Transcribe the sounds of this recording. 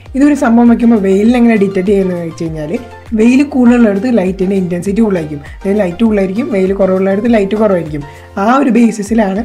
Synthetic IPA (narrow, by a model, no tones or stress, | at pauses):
iðo̞ɾusɐmbʱɐʋɐmɐk̬ʲːumboʋe̞jilineŋːɐneɖitːɐʈ̬ːt͡ɕejunːɐt͡ɕe̞jiɲːaːle | ʋe̞jilɨkuːɭːiuɭːeɽut̪ːɨlɐjtːindeintensit̬ːiuɭːaːiɾikʲːum | ðlɐjtːuuɭːaːjiɾikʲːumʋe̞jlɨkorɐːʋuɭːaːjiɽut̪ːɨlɐjtːɨkorɐʋaːjiɾikʲːum | aːoɾube̞ːsisilaːɳɨ